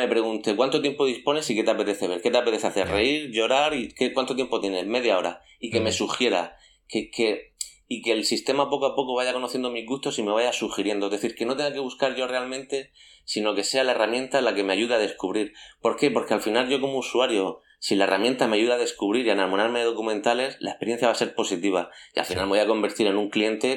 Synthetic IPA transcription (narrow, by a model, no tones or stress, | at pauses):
me̞pɾe̞ɣunt̪e̞kwant̪o̞t̪jempo̞ð̞ispo̞ne̞sike̞t̪eape̞t̪e̞θe̞βe̞ɾke̞t̪eape̞t̪e̞θeaθe̞reiɾʝo̞ɾaɾikekwant̪ot̪jempo̞t̪je̞ne̞me̞ðjao̞ɾa̰ | ike̞me̞suxje̞ɾa̰ | keke̞ | ike̞lsist̪e̞mapo̞koapo̞koβaʝako̞noθje̞nd̪omizɣust̪o̞simeβajasuxiɾje̞nd̪ozðeθiɾke̞no̞t̪e̞ŋɡake̞βuskaɾʝo̞re̞almẽnt̪e̞ | sino̞ke̞se̞alae̞ramje̞nt̪alake̞me̞aʝuðeaðe̞skuβɾiɾpo̞ɾke̞po̞ɾke̞alfinalʝo̞ko̞mousuaɾjo̞ | silae̞rʔamjent̪ameaʝuðeaðe̞skuβɾiɾianaɾmonaɾmeðeð̞o̞kumẽnt̪ale̞sla̰e̞spe̞ɾjθjaβase̞ɾpo̞sit̪iβ̞aia̰lfinalme̞ojako̞mbe̞ɾt̪iɾe̞nũŋklie̞nt̪e̞